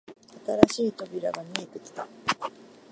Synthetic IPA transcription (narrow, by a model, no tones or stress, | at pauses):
at̪aɾaɕiːt̪o̞bʲiɾa̰ɡamʲie̞t̪e̞kʲi̥t̪a